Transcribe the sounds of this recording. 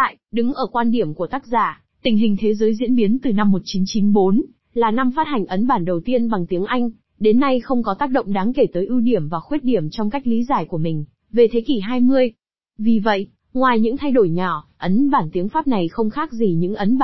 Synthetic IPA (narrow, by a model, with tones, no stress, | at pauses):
a̰ː˧˨jɗɨ˨˦ŋʔəː˧˩kwaː˧nɗi˧˩əmku˧˩ət̪aː˦˥k̚zaː˧˩ | t̪ï˧˩ŋ̟ɦï˨˩ŋ̟t̪ʰe˨˦zəː˨˦jzḭ˧˥ənɓi˨˦ənt̪ɨ˨˩na˧mːo˨˩t̚t͡ɕi˨˦nt͡ɕi˨˦nɓo˨˦n | laː˨˩na˧mfaː˦˥t̚ha˨˩jŋ̟ʔə˨˦nɓaː˧˩nɗə˨˩wt̪i˧ənɓa˨˩ŋt̪i˨˦əŋʔa˧jŋ̟ | ɗe˨˦nːa˧jxə˧wŋ͡mkɔ˨˦t̪aː˦˥k̚ɗə̰˧˨wŋ͡mɗaː˨˦ŋke˧˩t̪əː˨˦jʔi˧wɗi˧˩əmvaː˨˩xwe˦˥t̚ɗi˧˩əmt͡ɕɔ˧wŋ͡mka˦˥jk̚li˨˦zaː˧˩jku˧˩əmï˨˩ŋ̟ | ve˨˩t̪ʰe˨˦ki˧˩ɦaː˧jmɨ˧əj | vi˨˩və̰˧˨jʔ | ŋwaː˨˩jɲɨ̰˧˥ŋt̪ʰa˧jɗo˧˩jɲɔ˧˩ʔə˨˦nɓaː˧˩nt̪i˨˦əŋfaː˦˥p̚na˨˩jxə˧wŋ͡mxaː˦˥k̚zi˨˩ɲɨ̰˧˥ŋʔə˨˦nɓa˧